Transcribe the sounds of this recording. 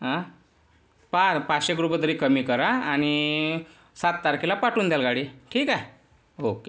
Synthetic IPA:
ɦã | papaɕeɡɾupət̪əɾiːkəmiːkəɾaañi | sat̪̚ːaɾkilapaʈuːnd̪jalɡaɽiʈʰiːka | oke

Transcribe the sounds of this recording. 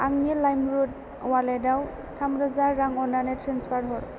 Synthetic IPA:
aŋnilajmɾud̚ | waledaw | tʰamɾɯzaɾaŋɔnanetɾanspʰatɦɔɾ

